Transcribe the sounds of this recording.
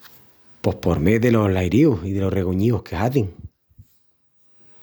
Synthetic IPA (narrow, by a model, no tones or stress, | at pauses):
po̞hpo̞ɾmeðe̞lo̞hlajɾiusiðe̞lo̞re̞ɣuɲiohkʰe̞haðiŋ